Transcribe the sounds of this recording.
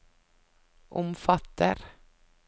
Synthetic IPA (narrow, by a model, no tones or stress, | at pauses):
ʔɔmfat̪ːə̰ɾ